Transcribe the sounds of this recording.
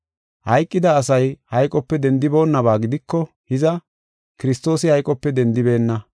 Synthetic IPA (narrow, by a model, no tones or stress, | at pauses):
hɐjkʼːɪd̪ɐːsɐjhɐjkʼɔpːɛd̪ɛnd̪ɪbo̞ːnːɐbaːɡɪd̪ɪkːɔ | hɪzɐ | kɪɾɪst̪o̞ːsɪhɐjkʼɔpːɛd̪ɛnd̪ɪbe̞ːnːɐ